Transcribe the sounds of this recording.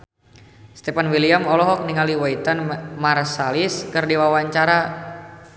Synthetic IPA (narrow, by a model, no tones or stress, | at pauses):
st̪efanwiliamɔlɔɦɔk̚niŋaliwait̪anmarsaliskɨrdiwawaɲt͡ʃaɾa